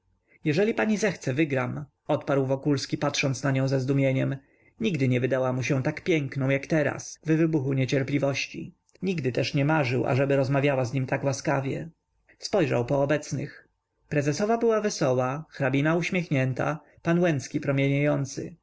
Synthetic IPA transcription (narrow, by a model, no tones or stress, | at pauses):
jɛʐɛlʲipaɲizɛxt̪sɛvɘɡɾam | ɔt̪paɾwvɔkulskʲipat̪ʂɔnt̪snaɲɔ̃w̃zɛzd̪umʲjeɲɛm | ɲiɡd̪ɘɲɛvɘd̪awamuɕɛ̃t̪akpʲjɛŋknɔ̃w̃jakt̪ɛɾa̰svɘvɘbuxuɲɛt͡ɕɛɾplʲivɔɕt͡ɕḭ | ɲiɡd̪ɘt̪ɛʂɲɛmaʐɘwʔa̰ʐɛbɘɾɔzmavʲjawazɲimt̪akwaskavʲjɛ̰ | spɔjʐa̰wpɔːbɛt̪snɘ̰x | pɾɛzɛsɔvabɘwavɛsɔwaxɾabʲinauɕmʲexɲɛnt̪a̰ | panwɛnt̪skʲipɾɔmʲjeɲajɔnt̪sɘ̰